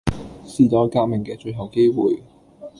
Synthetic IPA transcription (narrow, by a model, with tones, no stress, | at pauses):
siː˨˩t͡sɔː˨˥kaː˧k̚mɪ˨˩ŋkɛː˧t͡ʃɵ˧ɥɦɐ˨˩wke˥jwuː˨j